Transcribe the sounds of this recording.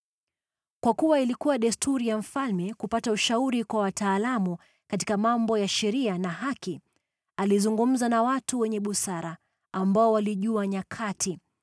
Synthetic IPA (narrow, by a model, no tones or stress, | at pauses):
kwakuwailikuwaɗɛstʰuɾijam̩falmɛkupatauʃauɾikwawataːlamu | kati̥kamambɔjaʃɛɾianaɦaki | alizuŋɡum̩zanawatuwɛɲɛɓusaɾa | ambaɔwaliʄuaɲakʰatʰi